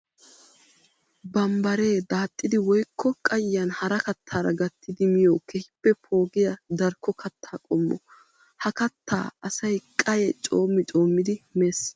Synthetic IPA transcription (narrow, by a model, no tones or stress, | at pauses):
bɐmbɐɾe̞ːd̪aːt̪ʼːɪd̪ɪwɔjkʰːɔkʼɐjɐnhɐɾɐkɐt̪ʰːaːɾɐ̰ɡɐt̪ːɪd̪ɪmɪjoːkɛhɪpːɛpʰo̞ːɡɪjɐd̪ɐɾkːɔkʰɐt̪ʰːaːkʼɔmːɔ̰ | hɐkɐt̪ːa̰ːɐsɐjkʼɐjɛt͡ʃʼoːmːɪt͡ʃʼo̞ːmːɪd̪ɪmeːs